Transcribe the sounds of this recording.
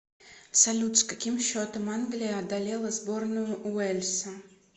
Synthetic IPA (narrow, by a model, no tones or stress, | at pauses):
sɐlʲut̪skakʲimɕːot̪əmanɡlʲɪjəɐd̪alʲɛlˠəzbornʊjʊʔuɛlʲsɐ